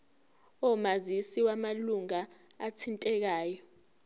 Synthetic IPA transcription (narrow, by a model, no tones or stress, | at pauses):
ɔmazisiwamaluŋaatʰintʼɛk̬aːjɔ